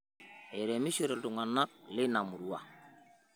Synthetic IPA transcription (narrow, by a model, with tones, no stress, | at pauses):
e˨ɾe˨mi˦se˨ɾe˨ldu˨ŋa˨na˦k̚lɪ˦na˨mu˨ɾu˨wa̰˨